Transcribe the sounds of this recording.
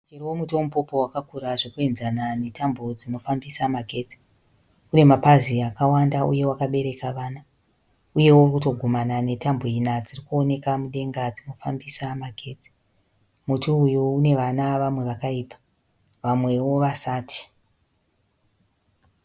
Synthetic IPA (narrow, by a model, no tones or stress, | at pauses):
ut͡ʃiriwomutowomupo̞po̞wakakuɾaʐokuenzanane̞tambo̞d͡zino̞fambisamaɡʱe̞t͡si̥ | une̞mapaziakawandaṵje̞wakaɓe̞ɾe̞kaʋaːna | uje̞wourkuto̞ɡʱomanane̞tamboinad͡zirikuo̞ne̞kamuɗe̞ŋɡad͡zino̞fambisamaɡʱe̞t͡si̥ | mutuujuune̞ʋanaʋamwe̞ʋakaiːpḁ | ʋamwe̞wo̞ʋasaːtʰi̥